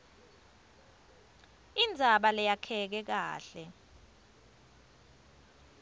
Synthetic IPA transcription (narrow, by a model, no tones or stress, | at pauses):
ind͡zʱaɓalɛjakʰɛk̬ɛk̬a̰ːɬɛ